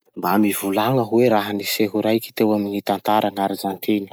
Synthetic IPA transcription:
mbamivulaŋəɦuweɾaɦaniseɦuɾajki̥t̪ewaminit̪ant̪aɾʔanaɾazant̪ʰeni̥

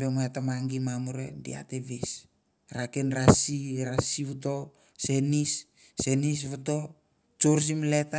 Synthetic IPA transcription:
bemaetamaŋɡimamuɾḛdḭa̰teβes | ɾakenɾasiɾasiβuto̞ | se̞nisː | e̞nis̬βuto̞ | t͡ʃoɾs̬imle̞ta

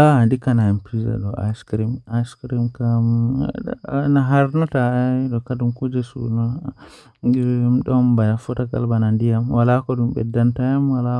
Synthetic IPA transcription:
andikanaɛmpɾiza̰ɗɔʔa̰jskɾimajskɾimkam | naɦaɾnatadɔkadumkud͡ʒɛsṵnɔ | mɗɔmbajafɔtaka̰lbanandijamwalakɔdumbɛ̰dːantajamwala

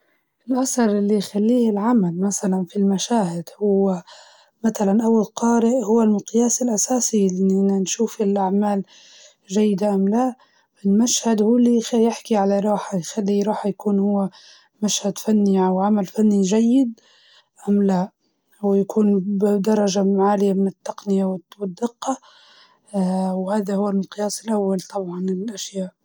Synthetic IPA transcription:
ʔɪlʔasɑɾˤʔɪlːijxalːiːhɪlʕamalmasalanfilmaʃaːhɪd̪̥hʊwːɪ | mat̪alanʔawːalqɑːɾɪʔhʊwːalmʊqjaːsɪlʔasaːsiʔɪnʔɪnːanʃuːfɪlʔaʕmaːl | ʒajːɪd̪aʔamlaʔ | ɪlmaʃhad̪huːlixjɪħkiʕalaɾˤɑːħajxalːiɾˤɑːħjakuːnhʊwːa | maʃhad̪fanːiʕawʕamalfanːiʒajːɪd̪̚ | ʔamlaʔ | wjakʰuːnd̪ɑɾˤɑʒamaʕaːlɪjamɪnɪt̪ːɑqnɪjawɪwɪd̪ːɪqːɑ | whaːðahʊwːalmqjaːsɪlʔawːalt̪ˤɑbʕɑnɪlʔaʃjaːʔ

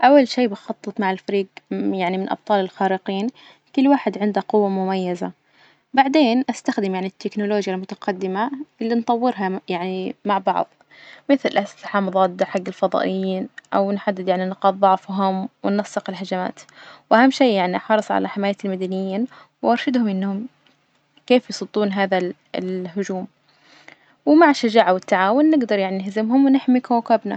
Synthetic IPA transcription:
ʔawːalʃiːbɪxɑt̪ˤːɨt̪ˤmaʕɪlfaɾiːɡjaʕnimɪnʔɑ̰b̚t̪ˤɑːlɪlxaːɾɪqiːn | kʊlːwaːħɪd̪ʕɪnd̪aqʊwːamʊmajːaza | baʕd̪eːnʔast̪axd̪ɪmjaʕnit̪ʰːɪknʊloːd͡ʒjalmʊt̪ḁqɑd̪ːɪmaɪlːint̪ˤɑwːɪɾɦajaʕnimaʕbɑ̰ʕðˤ | mɪθlʔastaħɑmɑðˤɑːt̪̚d̪aħaɡːɪlfɑðˤɑ̰ːʔɪjːiːnʔawnħad̪ːɪd̪jaʕninqɑːd̪ˤðˤɑʕfɦʊmwɪnːɑsˤːɪqɪlɦad͡ʒama̰ːt̪wʔahamːʃiːjaʕniʔħɑɾˤɨsˤʕa̰laħɪmaːjalmad̪anɪjːiːn | wʔɑɾˤʃad̪hʊmʔɪnːhʊm | keːfjsˤʊd̪ˤːuːnɦaːða | lɦʊd͡ʒuːm | wmaʕʃːad͡ʒaːʕawɪt̪ːaʕaːwʊnːɪɡd̪ɑɾˤjaʕninɪhzɪmɦʊmwɪnɪħmikawakabna̰

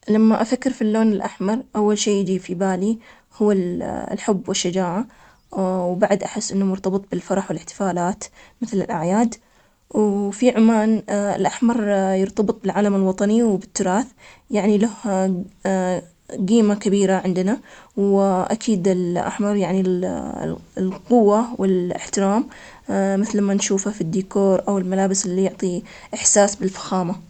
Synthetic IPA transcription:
lamːaʔafakːɪɾfilːoːnɪlʔaħmɑɾˤʔawːalʃeːjɪd͡ʒiːfibaːli | hʊːalħʊbːwɪʃːad͡ʒaːʕa | wbaʕd̪ʔaħɪsːʔɪnːamʊɾt̪ɑbɨt̪ˤbɪlfɑɾˤɑħwɪlɪħt̪ɪ̥faːlaːt̪mɪθlɪ̰lʔa̰ʕjaːd̪ | wfiʕʊmaːnɪ̰lʔaħmɑɾˤjɪɾt̪ɑbɨt̪ˤbɪlʕaːlamɪlwɑt̪ˤɑniwbɪt̪ːʊɾˤɑːθjaʕnilaha | ɡiːmakabiːɾaʕɪnd̪nawʔa̰kʰiːd̪ɪlʔa̰ħmɑɾˤjaʕnil̰ | lqʊwːawɪlɪ̰ħt̪ɪɾaːm | mɪθlmanʃuːfafid̪ːiːkoːɾˤʔawɪlmalaːbɪsʔɪlːijʊʕt̪ˤiʔɪħsaːsbɪlfḁxaːma

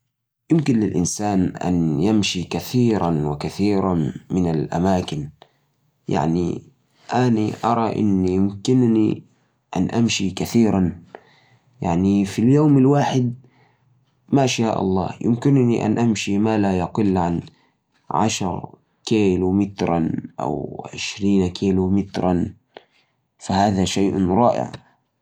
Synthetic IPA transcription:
jʊmkɪnlɪlʔɪnsaːnʔa̰njamʃikaθiːɾanwɪkaθiːɾamɪnalʔa̰maːkɪn | ja̰ʕnḭ | ʔaniʔɑ̰ɾˤɑʔɪ̰nːijʊmkɪnni | ʔa̰nʔamʃikaθiːɾan | jaʕnifiljoːmɪlwaːħɪd̪̚ | maʔaʃjaːʔɑ̰lˤːɑ̰ːhjɪmkɪnniʔa̰nʔamʃimalajaqɪlːʕan | ʕa̰ʃɾˤ | keːlumɪt̪ɾˤɑ̰nʔa̰wʕɪ̰ʃɾiːnkʰiːlumɪt̪ɾˤɑn | fahaːðaʃajʔɾˤɑːʔɪ̰ʕ

